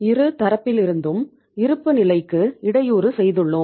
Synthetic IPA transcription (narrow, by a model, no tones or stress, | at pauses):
ɪɾɯt̪ɐɾɐpːɪlɪɾɯnd̪ɯm | ɪɾɯpːɯnɪlɐɪkːɯɪɽɐjuːɾɯsɛjðɯɭːɯm